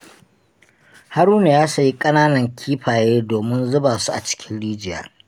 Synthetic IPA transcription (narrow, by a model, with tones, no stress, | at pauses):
ha˦ɾuː˦neː˨jaː˦sɐ˨ji˦kʼɐ˦naː˦nɐ˨ŋkʲʰiː˦ɸaː˨jeː˦doː˨mɪ˦nzʊ˦baː˨su˦ʔa̰˨t͡ʃɪ̥˦kʲɪ˦nɽiː˦d͡ʒɪ˨ja̰ː˦˨